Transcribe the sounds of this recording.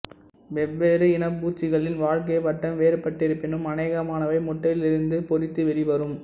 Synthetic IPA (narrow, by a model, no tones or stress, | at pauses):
ʋɛʋːeːɾɯɪnɐpːuːt͡ʃːɪɣɐɭɪnʋaːɻk̬ɐjpɐʈːɐmʋeːɾɯpːɐʈːɪɾɯpːɪnɯmɐneːɣɐmaːnɐʋɐɪmʊʈːɐjɪlɪɾɯnd̪ɯpɔɾɪt̪ːɯʋɛɾiʋɐɾɯm